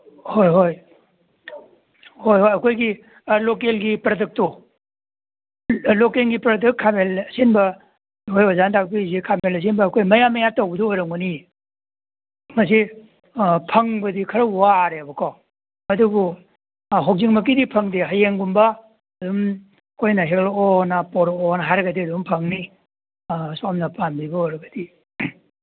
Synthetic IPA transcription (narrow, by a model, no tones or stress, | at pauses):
hojɦoj | hojɦojɐkʰojɡi | lokelɡipɾɐdek̚to | lokelɡipɾɐdɐk̚kʰːamelɐsenbɐ | kʰojazantʰak̚pizekʰamelɐs̬enbɐːkʰojmɐjamɐjatowbɐduojɾɐŋuni | mɐs̬i | pʰɐŋbɐdikʰɐɾɐuwaːɾeɐbɐkʰɔ | ɐduɡu | ɦowk̚ziŋmɐk̬idipʰɐŋdiɦɐjeŋɡumbɐ | ɐduŋ | ɐkʰojnɐɦek̚loonɐpoɾonɐɦajɾɐɡɐdiɐduŋpʰɐŋni | samnɐpanbibɐojɾɐɡɐdi